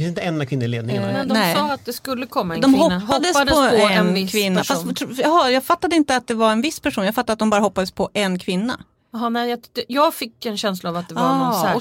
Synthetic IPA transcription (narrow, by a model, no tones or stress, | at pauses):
fɪnsɪnt̪əɛnːakvɪnːəɾleːd̪nɪŋaɛnd̪nɔɛɑːat̪̚d̪ɛskɵlːəkʰɔmːaɛnd̪ɔmɦɔpːhad̪əsd̪pɔɔɛɛnkʰvɪnːafast̪t̪ʰɾjɑɦɑjɑːɡfat̪ːad̪əɪnt̪əat̪̚d̪ɛvaɾɛnvɪsːpʰæʂuːnjaɡfat̪ːadat̪̚d̪ɔmbɑːɾaɦɔpːad̪əspʰɔʔɛnkʰvɪnːa̰ | ɦnɛjɑt̪ːjɑːɡfɪkːɛnɕɛnslaːvat̪d̪ɛa